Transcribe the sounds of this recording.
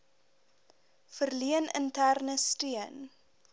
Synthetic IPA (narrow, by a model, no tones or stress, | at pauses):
fərliənə̰ntærnəstiən